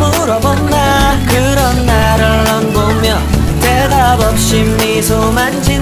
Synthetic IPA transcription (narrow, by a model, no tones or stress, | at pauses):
muɾʌbʌnːakɯɾʌnːaɾɯɭːʌnɡomjʌ | tedabʌp̚ɕ͈imːisʰomand͡ʑi